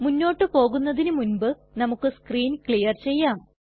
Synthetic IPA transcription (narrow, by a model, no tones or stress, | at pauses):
munːo̞ːʈːɨpo̞ːɣunːɐðinɨmunbɨ | nɐmukːɨskriːnkɭijɐrt͡ɕe̞jːaːm